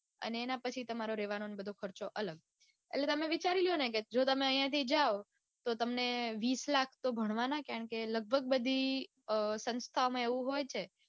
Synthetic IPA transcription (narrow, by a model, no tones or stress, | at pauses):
ə̰neːnapət͡ʃʰit̪əmaɾoɾeʋanonebəd̪ʱokʰəɾt͡ʃoʔələɡ̚ | ḛlet̪əmẽʋit͡ʃaɾiljoneked͡ʒot̪əmẽəijãt̪ʰid͡ʒao | t̪ot̪əmneʋislakʰt̪obʱəɽ̃ʋanakjaɾəɳkeləɡ̚bʱəɡ̚bəd̪ʱi | sə̃nst̪ʰaomãeʋũɦojt͡ʃʰe